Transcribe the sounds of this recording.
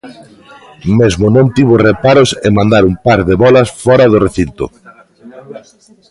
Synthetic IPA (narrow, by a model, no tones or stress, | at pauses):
mezmʊnõnt̪iβʊrepaɾʊsemãnd̪aɾumpaɾðeβɔlɐsfɔɾɐðʊreθint̪ʊ̰